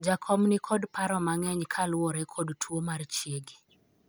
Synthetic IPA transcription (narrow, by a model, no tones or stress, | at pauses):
d͡ʒakʰɔmnikʰɔdpaɾɔmaŋɛɲkʰalwɔɾɛkʰɔdtʰwomart͡ʃjeɡi